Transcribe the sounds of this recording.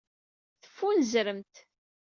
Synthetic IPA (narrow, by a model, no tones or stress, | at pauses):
θə̥fːunəzɾəmt̪